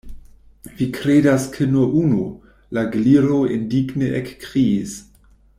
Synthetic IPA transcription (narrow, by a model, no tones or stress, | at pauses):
vikɾedaskʰenuɐʔunu | laɡliɾoḛndiɡneʔekːʁiːs